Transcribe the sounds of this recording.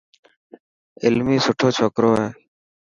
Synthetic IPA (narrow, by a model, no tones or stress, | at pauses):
ɪlmiːsʊʈʰoːt͡ʃʰɔkɾoːɦɛː